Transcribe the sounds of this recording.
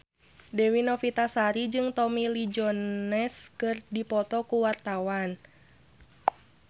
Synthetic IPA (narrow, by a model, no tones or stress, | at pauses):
dɛwinɔfit̪asaɾid͡ʒɨŋt̪ɔmilid͡ʒɔnɛskɨrdipɔt̪ɔkuwart̪awan